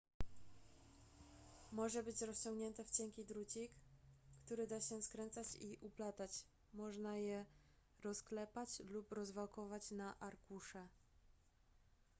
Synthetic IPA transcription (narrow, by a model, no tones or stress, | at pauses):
mɔʐɛbɘt͡ɕɾɔst͡ɕɔ̃ŋɡɲɛnt̪ɛft͡ɕɛŋkʲid̪ɾut͡ɕikːt̪uɾɘd̪aɕɛskɾɛnt̪sat͡ɕiʔuplat̪at͡ɕ | mɔʐnajɛ | ɾɔsklɛpat͡ɕlupɾɔzvalkɔvat͡ɕnaʔaɾkuʂɛ